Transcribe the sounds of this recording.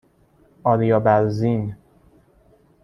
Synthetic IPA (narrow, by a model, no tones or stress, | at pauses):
ɒːɾijɒːbæɾzin